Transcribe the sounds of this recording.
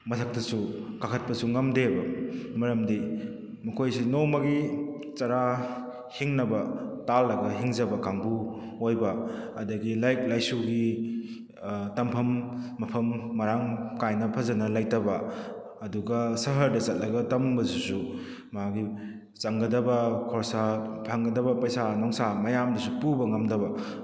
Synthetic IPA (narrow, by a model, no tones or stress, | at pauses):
mɐtʰɐk̚tɐsukakʰɐt̚pɐsuŋamdebɐmɐɾɐmdi | mɐkʰojsinomɐɡi | t͡ʃɐɾa | hiŋnɐbɐtalːɐɡɐɦiŋzɐbɐkaŋbu | ojbɐɐdɐɡilajk̚lajsuɡi | tɐmpʰɐmːɐpʰɐmːɐɾaŋkajnɐpʰɐzɐnɐlajtɐbɐ | ɐduɡɐsɐɦɐɾdɐt͡ʃɐt̚lɐɡɐtɐmbɐzusu | maɡi | t͡ʃɐŋɡɐdɐbɐkʰɔɾsapʰaŋɡɐdɐbɐpɐjsanɔŋsamɐjamdɐsupubɐŋɐmdɐbɐ